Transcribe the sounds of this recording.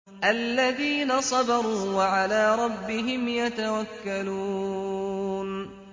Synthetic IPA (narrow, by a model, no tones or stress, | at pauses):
ʔalːaðiːnasˤɑbɑɾˤuːwaʕalaːɾˤɑbːɪɦɪmjat̪awakːaluː | n